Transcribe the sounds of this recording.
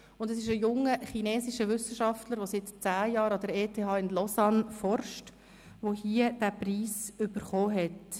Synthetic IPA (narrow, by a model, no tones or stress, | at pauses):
ʊndɛsɪʃ̬əjʊŋəχinɛːsiʃəʋʏsəʃɑftləɾʋosɪtt͡sæːjɑːɾɑdəɾeːtʰeːɑːɪnlɔsɑnfɔrʃt | ʋohiːəd̥æpriːsʏb̥əɾχoːɦɛt